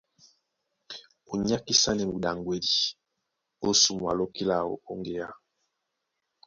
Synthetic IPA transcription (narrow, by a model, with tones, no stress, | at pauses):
u˨ɲa˦ki˦sa˦nɛ˨mu˨da˨ŋɡwe˦li˨ | o˦su˨mwa̰˨lo˦ki˦la˨o̰˨ko˦ŋɡe˨ja˦˨